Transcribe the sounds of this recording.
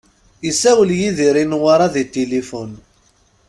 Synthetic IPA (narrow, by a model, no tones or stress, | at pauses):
isæwəljiðiɾinwaɾˤɑðit̪ilifʊn